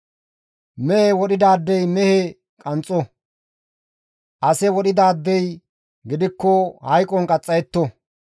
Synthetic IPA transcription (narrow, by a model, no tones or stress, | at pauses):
mɛhɛwɔɗɪd̪aːd̪ːɛjmɛhɛ | kʼɐnt͡sʼːɔ | ʔɐsɛwɔɗɪd̪aːd̪ːɛj | ɡɪd̪ɪkːɔhɐjkʼːɔŋkʼɐt͡sʼːɐjɛt̪ːɔ